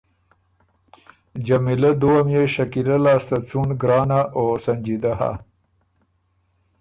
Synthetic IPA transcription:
d͡ʒamilad̪uwamjeʃakilalɑːst̪at͡sunɡɾɑːnaʔosand͡ʒid̪aɦa̰

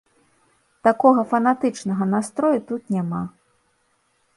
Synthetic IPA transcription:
t̪akɔɣɐfɐnat̪ɨt͡ʂnɐɣɐnast̪ɾɔjut̪ut̪nʲama

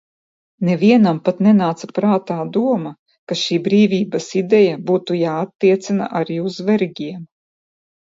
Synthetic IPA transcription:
nɛvʲiɛnampat̪nɛnaːt̪sapɾaːt̪aːd̪uɔma | kaʃiːbɾiːvʲiːbasid̪ɛjabuːt̪ujaːat̪ːiɛt̪sina̰ʔaɾiːuzvɛɾɡʲiɛm

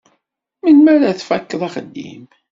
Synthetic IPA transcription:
minmæɾæθfækːəðˤɑχəd̪ːḭm

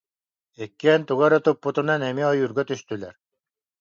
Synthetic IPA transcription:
ɛkːiɛnt̪uɣaɾɔt̪upːut̪unanɛmiɔjuɾɡœt̪yst̪ylɛɾ

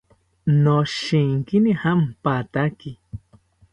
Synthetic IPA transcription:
noʃiŋkinihampat̪aki

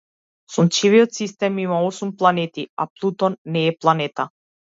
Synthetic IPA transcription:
sɔnt͡ʃivijɔt̪sist̪ɛmimaɔsumplˠanɛt̪ia̰plˠut̪ɔnːɛːplˠanɛt̪a

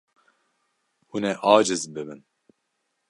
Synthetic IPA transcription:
unɛʔɑːd͡ʒɨzbɨbɨn

